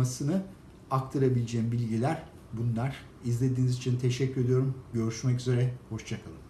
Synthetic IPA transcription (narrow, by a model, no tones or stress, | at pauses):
asɯnɯ | ak̚t̪ʰaɾabilʲed͡ʒɛːmbilʲɟilʲæɾ | bunlˠaɾ̥ | izlʲe̞d̪iːnizit͡ʃʰint̪ʰeʃɛcːyɾe̞d̪ijo̞ɾumɟø̞ɾyʃmɛc̬yze̞ɾɛho̞ʃt͡ʃʰakʰalˠɯm